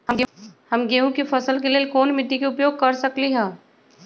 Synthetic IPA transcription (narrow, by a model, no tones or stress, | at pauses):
hɐmɡeːũkifʰɐsəlkeliekɔːnmɪʈːikeʊpjoːɡ̚kɐɾsɐkliɦɛ̃ː